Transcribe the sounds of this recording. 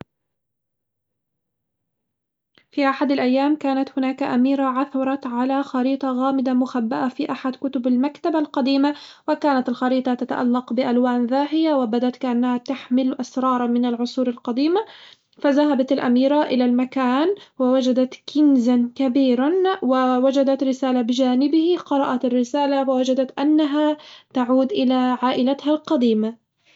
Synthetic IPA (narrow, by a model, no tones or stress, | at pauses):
fiːʔaħad̪alʔajːaːmkaːnat̪hʊnaːkaʔamiːɾaʕaθɑɾˤɑt̪ʕalaxɑɾiːt̪ˤɑɣaːmɪd̪amʊxabːaʔafiːʔaħad̪kʊt̪ʊbalmakt̪abalqɑd̪iːmawɪkaːnat̪alxɑɾiːt̪ˤɑt̪at̪a̰ʔalːɑqbɪʔalwaːnðaːɦɪjawɪbad̪at̪kaʔanːahat̪aħmɪlʔasɾˤɑːɾˤɑmɪnalʕʊsˤuːɾalqɑd̪iːma | faðaɦabat̪alʔa̰miːɾaʔɪlalmakaːnwɪwad͡ʒad̪at̪kʰɪnzankabiːɾanwɪwad͡ʒad̪at̪ɾɪsaːlabɪd͡ʒaːnɪbɪhiqɑɾˤɑʔat̪arːɪsaːlawawad͡ʒad̪at̪ʔanːaɦat̪aʕuːd̪ʔɪlaʕaːʔɪlat̪halqɑd̪iːma